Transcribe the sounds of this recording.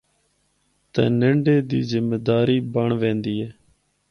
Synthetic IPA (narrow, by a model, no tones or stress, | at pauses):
t̪ɛ̰̃ːnəɳɖeːd̪ḭːzɪmːeːd̪aːɾiːbəɳʋẽːnd̪iːɛː